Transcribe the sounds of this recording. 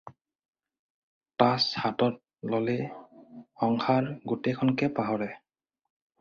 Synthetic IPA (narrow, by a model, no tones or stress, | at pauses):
tashatɔt̚ | lɔle | ɔŋxaɹɡutejkʰɔnkɛpaɦɔɹɛ